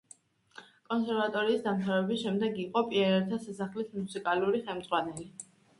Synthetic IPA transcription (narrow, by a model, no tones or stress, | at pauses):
kʼɔnsɛɾvat̪ʼɔɾiːsd̪amt̪ʰavɾɛbisʃɛmd̪ɛɡiqʼɔpʼiɛɾɛɾt̪ʰasasaχlit̪musikʼaluɾiχɛlmd̪zʁwanɛli